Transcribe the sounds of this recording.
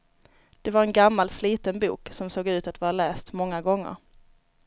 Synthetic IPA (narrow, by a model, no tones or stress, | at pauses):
d̪̥ɛvaɾɛnɡamːalsliːt̪ənbṵːksɔmsoːɡʉ̟ːt̪at̪vɑːɾalɛːst̪mɔŋːaɡɔŋːə̰ɾ